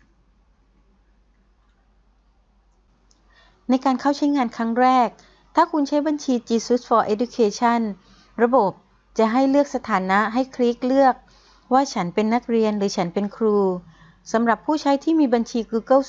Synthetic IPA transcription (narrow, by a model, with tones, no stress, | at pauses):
na˧jkaː˧nkʰa˥˩wt͡ɕʰa˦˥jŋaː˧nkʰa˦˥ŋɾɛː˥˩k̚ | t̪ʰaː˥˩kʰu˧nt͡ɕʰa˦˥jba˧nt͡ɕʰiː˧t͡ɕi˨˧su˦˥t̪̚fɔː˧ʔe˦˥du˧kʰeː˧t͡ɕʰa˥˩n | ɾa˧bo˨˩p̚ | t͡ɕa˨˩ɦa˥˩jlɯ˥˩ək̚sa˧t̪ʰaː˩˦nːa˦˥ɦa˥˩jkʰɾiː˦˥k̚lɯ˥˩ək̚ | waː˥˩t͡ɕʰa˦˥npe˧nːa˦˥k̚ɾi˧ənɾɯː˩˦t͡ɕʰa˦˥npe˧nkʰɾuː˧ | sa˩˦mɾa˨˩pʰːuː˥˩t͡ɕʰa˦˥jt̪ʰiː˥˩miː˧ba˧nt͡ɕʰiː˧kuː˧kɤ˥˩